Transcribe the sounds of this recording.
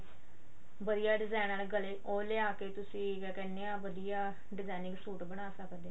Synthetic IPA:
ʋəd̪ijaːɖɪzaːnaːlɡəleːʔoːleːaːkeːt̪ʊsĩːʋɛːkɛːnːeːaːʋəd̪ijaː | ɖɪzaːnɪ̃ŋɡsuːʈbəɽaːsəkd̪eː

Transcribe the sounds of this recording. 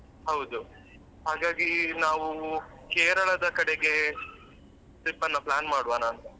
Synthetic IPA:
ɦɐwd̪u | ɦaːɡaːɡinaːʋu | keːɾɐɭɐd̪ɐkɐɽeɡe̞ | t̪ipːɐnːɐplaːnmaːɽuʋaːnaːnt̪ɐ

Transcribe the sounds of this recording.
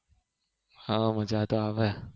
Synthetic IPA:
hãməd͡ʒat̪oaʋɛ

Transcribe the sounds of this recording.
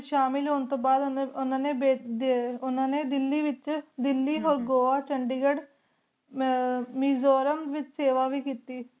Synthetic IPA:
ʃaːmɪlɦoːnt̪õːbaːd̪ʊnãːneːbeːʊnãːneːd̪ɪlːiːʋɪt͡ʃd̪ɪlːiːɦoːɾɡoːʋaːt͡ʃəɳɖiːɡəɖ | miːzoːɾəmʋɪt͡ʃseːʋaːʋiːkiːt̪iː

